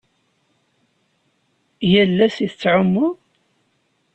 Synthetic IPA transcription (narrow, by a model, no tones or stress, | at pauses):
jəlːæsiθət͡sːʕʊmːʊ